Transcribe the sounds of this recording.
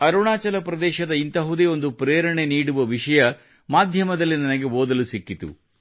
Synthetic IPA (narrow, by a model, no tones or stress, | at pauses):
ɐɾuɳaːt͡ʃɐlɐpɾɐd̪ɛːʃɐd̪ɐint̪ɐɦud̪eːo̞nd̪upɾeːɾɐɳe̞niːɽuʋɐʋiʂɐjɐ | maːd̪ʱjɐmɐd̪ɐlːinɐnɐɡe̞oːd̪ɐlusikːit̪ṵ